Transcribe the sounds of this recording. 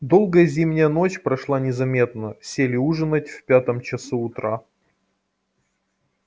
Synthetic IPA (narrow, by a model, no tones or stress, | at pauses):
d̪o̞lˠɡəjəzʲimnʲɪjəno̞t͡ɕpɾɐʂlˠanʲɪzɐmʲe̞t̪nəsʲelʲɪuʐɨnətʲfpʲat̪əmt͡ɕɪsuʊt̪ɾa